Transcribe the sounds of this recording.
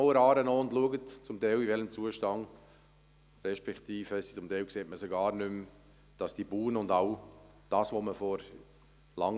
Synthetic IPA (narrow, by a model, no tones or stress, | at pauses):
wəɾɑːɾənoːʊndluəɡətt͡sʊmt̪ɛɪlivɛləmt͡suəʃtɑŋ | ɾɛʃpɛkt̪iːfhɛsi̥t͡sʊmt̪ɛɪlkseːt̚məsɔɡɑːɾnʏm | d̥ɑsd̥ibuːnəʊndaʊ | d̥ɑːsʋoːməfɔɾ | lɑ̰ŋ